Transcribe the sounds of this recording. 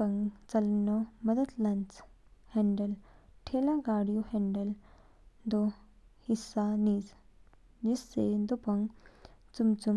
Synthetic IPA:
əŋt͡sɐlnɔməd̪ət̪lãnt͡s | hẽɳɖəlʈʰelaɡaɽjuhɛɳɖəl | d̪o | hisːaniːd͡z | d͡ʑisːed̪upəŋɡt͡sumt͡sum

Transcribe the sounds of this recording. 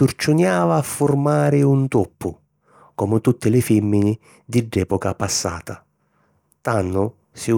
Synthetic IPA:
urt͡ʃʊnjaːvaːfːʊrmaːɾɪunt̪ɔpːʊ | kɔmʊt̪ut̪ːɪlɪfɛmːinɪ | d̪ɪɖːɛːpɔkapasːa̰ːt̪a | t̪anːʊ | sɪ

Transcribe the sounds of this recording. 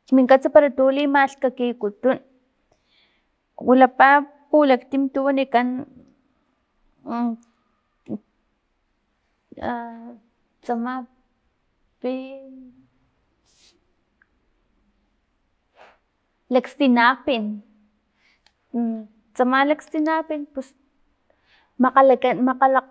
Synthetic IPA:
miŋkat͡sapaɾat̪uːlimaɬkakikut̪un | wʔulapa | pulakt̪imt̪uwanikan | t͡sama | pi | lekst̪inapin | t͡samalakst̪inapinpus | makamaqala

